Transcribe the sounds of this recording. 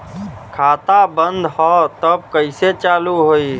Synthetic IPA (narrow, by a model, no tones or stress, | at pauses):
kʰat̪abənd̪ʱhɔt̪əb̚kəɪset͡ʃaːluɦoi